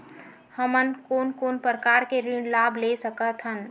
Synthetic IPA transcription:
həmənkonkoːnpɾəkaɾkeɾĩɳlabʱlesəkət̪ʰɦən

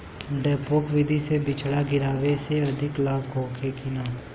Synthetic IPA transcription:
ɖɛːpoːkʋɪd̪ʱisebɪt͡ʃʰɽaɡɪɾaːʋeseɐd̪ʱɪklaːbɡʱoːkʰekɪnaː

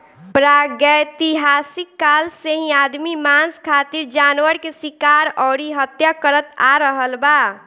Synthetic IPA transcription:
pɾaɡəjt̪iɦasikːalseɦĩad̪mimanskʰat̪iɾd͡ʒanwəɾkesikaɾɔɾiɦət̪jakəɾət̪a̰ɾəɦəlba

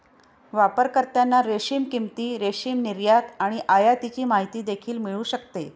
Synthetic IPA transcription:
ʋapəɾkəɾt̪janːaɾeɕiːmkimt̪iːɾeɕiːmniɾjat̪aɽ̃iʔajat̪it͡ɕiːmaɦit̪iːd̪ekʰiːlmiɭuːɕəkt̪e

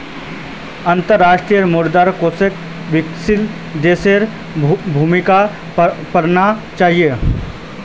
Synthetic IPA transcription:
ɐ̃nt̪əɾːaːʃʈɾijəɾmuːɾd̪aɾkoːsek | ʋɪksɪl | d̪eːseɾ | bʱuːmɪka | pɐɾnat͡ʃaːɦije

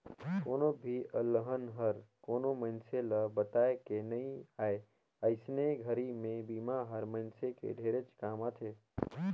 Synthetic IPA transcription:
koːnobʱiʔəlːəɦənɦəɾkoːnomənseləbət̪aːekenəĩaːe | əɪsneɡʱəɾimẽbiːmaɦəɾməɪnsekḛɖʱeːɾet͡ʃkaːmat̪ʰeː

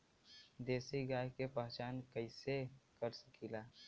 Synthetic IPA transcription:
d̪eːsiɡaːjkepəɦt͡ʃaːnkəɪsekəɾsə̥kilaː

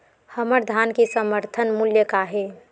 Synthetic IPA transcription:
həməɾd̪ʱankesəməɾt̪ʰənmuljəkaɦe

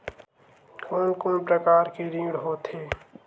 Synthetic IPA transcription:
kʰoːnkoːnpɾəkaːɾkeɾĩːɡɽɦoːt̪ɦeː

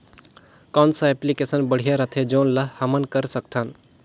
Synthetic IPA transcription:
kaːnsaɛplikesənbəɽ̤ijaɾat̪ʰed͡ʒoːnlahɐmənkəɾsəkt̪ʰan

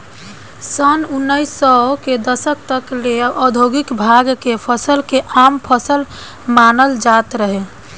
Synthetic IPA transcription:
sənunːəisɔked̪əsək̚t̪əkleʔɔd̪ʱoɡikbʱaɡkepʰəsəlkeʔampʰəsəl | manəld͡ʒat̪ɾəɦe

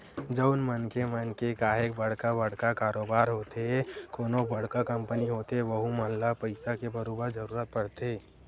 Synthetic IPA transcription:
d͡ʒəʊnmənkemənkekaːɦekbɐɽ̤kabɐɽkakaːɾoːbaːɾɦoːt̪ekoːnobɐɽ̤kakɐ̃mpəniɦoːt̪eʋəɦumɐnlapəɪsakebʱəɾoːbəɾd͡ʒəɾuːɾət̪̚pəɽt̪eː

